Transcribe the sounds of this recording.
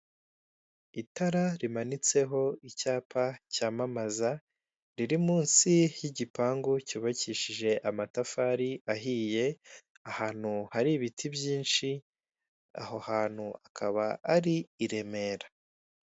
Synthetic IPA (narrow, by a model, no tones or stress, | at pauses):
itaɾaɾimanit͡se̞ɦo̞icaːpʰacaːmamaza | ɾiɾimuːnsijiɟipaːŋɡucuːβaciʃiʒe̞ʔamatafaɾiaɦiːje̞ | ahaːn̥huhaɾiβitʰibjiːnʃi | a̰ɦohaːn̥huakʰaβaːɾiːɾe̞me̞ːɾa